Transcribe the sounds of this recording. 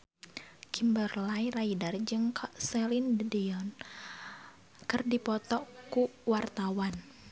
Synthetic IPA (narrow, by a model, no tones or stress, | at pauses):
kimbərlairaidard͡ʒɨŋkʰaʔsɛlindədiɔn | kɨrdipɔt̪ɔkuwart̪awan